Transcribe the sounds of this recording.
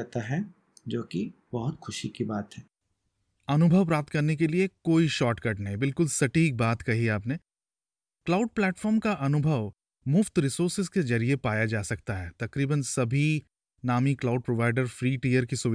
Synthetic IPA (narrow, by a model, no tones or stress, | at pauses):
t̪aɦɛ | d͡ʒoːki | bɐɦʊt̪xʰʊʃikibaːt̪ɦɛ | ɐnʊbʱəʋpɾaːp̚t̪kɐɾnek̬eliekoːiʃɔːʈkɐʈnaɦĩbɪlkʊlsɐʈiːk̚baːt̪kɐɦiaːpneː | klaːʊɖ̚plɛːʈfɔːɾmkaʔɐnʊbʱəʋ | mʊft̪ɾɪsoːɾsɪzkezɐɾiepaːjad͡ʒaːsɐk̚t̪aɦɛːt̪ɐkɾiːbənsɐbʱi | naːmiklaːʊɖ̚pɾoʋaːɪɖəɾfɾiːʈiːjəɾkisʊʋ